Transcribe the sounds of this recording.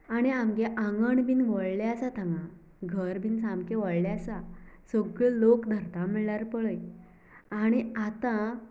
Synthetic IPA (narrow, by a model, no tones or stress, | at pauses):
aɽ̃iamkeʔãŋɡəɳbinʋəɭljaasat̪ʰãŋɡã | ɡʱəɾbinsamkeʋəɭljasasoɡəlokd̪ʱəɾt̪aməɭɭaɾpəɭəj | aɽ̃iat̪ã